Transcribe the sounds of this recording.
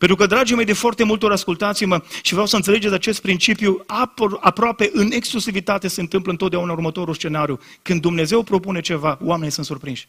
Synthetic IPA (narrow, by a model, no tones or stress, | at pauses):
pent̪ɾukəd̪ɾad͡ʒimʲe̞jd̪ifoart̪e̞mult̪o̞ɾaskult̪at̪sijməʃivɾeawsəɨnt̪sele̞d͡ʒesʲat͡ʃe̞st̪̚pɾint͡ʃipjuapapɾoape̞ʔɨne̞ksklusivit̪at̪e̞se̞nt̪ɨmpləɨnt̪ot̪d̪eaunaurmət̪o̞ɾulst͡ʃe̞naɾju | kɨnd̪ːumne̞ze̞wpɾo̞pune̞t͡ʃe̞vaoamenejsɨnt̪surpɾinʃʲ